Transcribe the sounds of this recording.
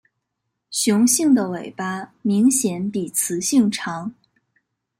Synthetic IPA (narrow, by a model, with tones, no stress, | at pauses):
ɕjʊ˧˥ŋɕi˥˩ŋd̪ə˩we˨˩ɪpa˥mi˧˥ŋɕjɛ˧˥npi˨˩t͡sʰɹ̩˧˥ɕi˥˩ŋʈ͡ʂʰɑ˧˥ŋ